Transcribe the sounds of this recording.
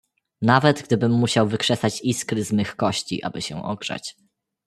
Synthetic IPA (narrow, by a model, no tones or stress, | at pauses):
navɛd̪ɡd̪ɘbɘmːuɕawvɘkʂɛsat͡ɕiskɾɘzmɘxkɔɕt͡ɕḭʔa̰bɘɕɛ̰̃ʔɔ̰ɡʐ̥a̰t͡ɕ